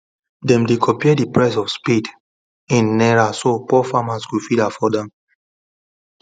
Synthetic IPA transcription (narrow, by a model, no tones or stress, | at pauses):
dɛ̃mdikʰɔpiɛdipɹɛs̬ɔfspid | ĩnːɛɹasopɔfamaskufidafɔdɛ̃m